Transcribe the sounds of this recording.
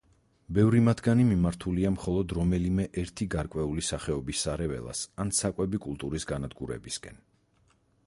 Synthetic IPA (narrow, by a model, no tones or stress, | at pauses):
bɛvɾimat̪ʰɡanimimaɾt̪ʰuliamχɔlˠɔd̪ɾɔmɛlimɛʔɛɾt̪ʰiɡaɾkʼwɛulisaχɛɔbisːaɾɛvɛ̰lˠa̰sansakʼwɛbikʼulˠt̪ʼuɾisɡanad̪ɡuɾɛ̰biskʼɛ̰n